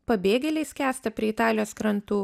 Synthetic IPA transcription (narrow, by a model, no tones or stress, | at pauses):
pɐbʲeːɡʲɛlʲɛɪskʲæːst̪ɐpʲɾʲiɛɪt̪ɑːlʲɪjoːskɾɐnt̪uː